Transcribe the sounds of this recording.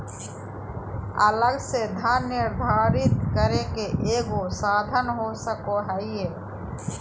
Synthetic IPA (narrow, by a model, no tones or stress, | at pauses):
ələɡsed̪ʱəɾːɪɾd̪ʱaːɾɪt̪kəɾekeʔeːɡosaːd̪ʱənɦosəkoɦɛieː